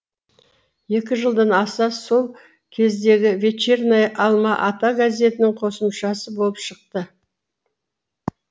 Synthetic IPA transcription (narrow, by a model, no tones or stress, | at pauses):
je̞kʲɪʒəlˠd̪ənɑsɑso̞lˠ | kʲʰe̞zd̪e̞ɡʲɪvʲe̞t͡ʃernajʔɑlˠmɑʔɑt̪ɑɡazʲe̞t̪ɪnɪɴqʰo̞səmʃɑsəbo̞lˠəpʃəq̚t̪ə